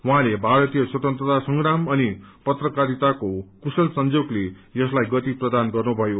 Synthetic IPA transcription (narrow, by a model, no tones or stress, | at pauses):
wuɦãlebʱaɾʌt̪ijʌswʌt̪ʌnt̪rʌt̪asʌŋɡɾamʌnipʌt̪rʌkaɾit̪akokusʌlsʌnd͡zoɡlejʌslajɡʌt̪iprʌd̪anɡʌrnubʱʌjo